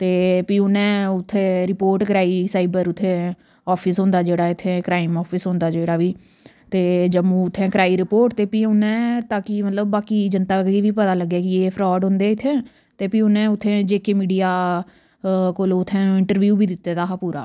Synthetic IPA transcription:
t̪eːpiːʊnɛ̃ːʊt̪ʰːeːɾɪpoːɾʈkɾaːiːsaːɪbəɾʊt̪ʰːẽː | ɔːpʰɪsɦʊ̃nd̪aːd͡ʒeːɽaːɪt̪ʰːẽːkɾaːɪmɔːpʰɪsɦʊ̃nd̪aːd͡ʒeːɽaːʋiː | t̪eːd͡ʒəmũːʊt̪ʰːɛ̃ːkɾaːiːɾɪpoːɾʈt̪eːpiːʊnɛ̃ːt̪aːkiːmət̪ləbːaːkiːd͡ʒənt̪aːɡiːʋiːpət̪aːləɡːaːkɪeːpʰɾɔːɖɦʊ̃nd̪eːɪt̪ʰːɛ̃ː | t̪eːpĩːʊnɛ̃ːʊt̪ʰːẽːd͡ʒeːkeːmiːɖijaː | koːloːʊt̪ʰːɛ̃ːɪɳʈəɾʋjuːbiːd̪ɪt̪ːeːt̪aːɦaːpuːɾʔa̰ː

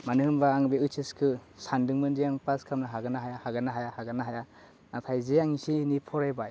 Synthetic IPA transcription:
manɯɦɯmbaːŋbeɯt͡ʃʰɯskʰɯsandɯŋmɯndiaŋpaskʰamnaɦaɡanaɦajahaɡanaɦajahaɡanaɦaja | natʰajzeaŋisinipʰɔɾajbaj

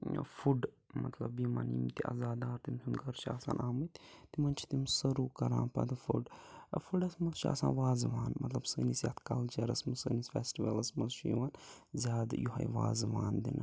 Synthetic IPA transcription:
fuɖ | mɐ̰t̪lɐbima̰ːnḭːmt̪iʔɐ̰zaːd̪aːɾt̪imt̪ʰʲunɡɐɾt͡ʃʰia̰ːsa̰ːnʔaːmɨt̪t̪imɐnt͡ʃʰi̥t̪imsɐɾuːkɐɾã̰ːnpɐ̰d̪ɨfṵɖfuɖɐsmɐlʃia̰ːsã̰ːnʋaːzʋaːnmɐt̪lɐbsəːnisja̰t̪kɐlt͡ʃeɾɐsmɐsəːnisfeːsʈiʋɐlɐsmɐlʃujʋaːnzʲaːd̪juɦɐ̰jʋa̰ːzʋa̰ːnd̪ḭn

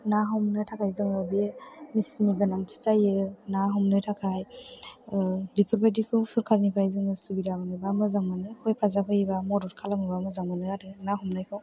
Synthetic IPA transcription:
naɦɔmnɯtʰakʰajzɯŋɯbemisniɡɯnaŋtʰi̥sajɯnaɦɔmnɯtʰakʰaj | dipʰɯɾbajdikʰɯwsuɾkʰaɾnibʰajzɯŋɯsibidabɯnɯbamɯzaŋmanɯkʰojpʰazaɦʰɯjbamɔdɔɾkʰalamɯbamɯzaŋmanɯaɾɯnaɦumnajkʰɯw

